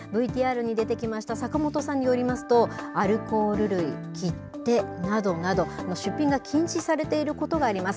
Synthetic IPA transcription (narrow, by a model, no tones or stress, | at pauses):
bɯ̟it̪ʲiːaːɾɯ̟ɲ̟id̪e̞t̪e̞kʲimaɕi̥t̪asakɯmo̞t̪o̞sãɲ̟ːio̞ɾʲimasɨ̥t̪o̞aɾɯ̟ko̞ːɾɯ̟ɾɯ̟ikʲʰitt̪ːe̞nad̪o̞nad̪o̞ano̞ɕɨpʲːĩŋɡakʲʰĩɲ̃ɕisaɾe̞t̪e̞iɾɯ̟ko̞t̪o̞ɡaːɾʲimasɨ̥